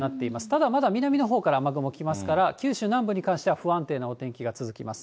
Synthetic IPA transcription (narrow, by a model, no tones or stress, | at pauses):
nat̪ːe̞imasɨ̥t̪ad̪amad̪amʲinamʲino̞ɦo̞ːkaɾaːmaɡɯ̟mo̞kʲimasɨ̥kaɾakʲɨːɕɨːnãmbɯ̟ɲ̟ikãɰ̃ɕi̥t̪e̞βaɸɯ̟ãnt̪e̞ːnoot̪ẽ̞ŋkʲiɡat͡sɨzɨkʲimasɨ̥